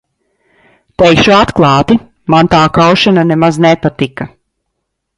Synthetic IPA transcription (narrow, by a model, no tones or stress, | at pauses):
t̪ɛjkʃuat̪klˠɑːt̪i | mant̪aːkawʃananɛmaznɛpat̪ika